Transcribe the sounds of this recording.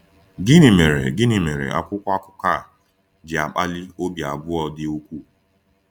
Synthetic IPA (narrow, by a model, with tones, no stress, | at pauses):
ɡɪ˦nɪ˨me˨ɾḛ˨ɡɪ˦nɪ˨me˨ɾḛ˨ʔa̰˦kʷʊ˦kʷa˦kʷʊ˦ka˦˨ | d͡ʒɪ˨a˨k͡pa˦li˦o˦bja˨bʊ˦ɔ˨dɪ˦o˦kʷu˦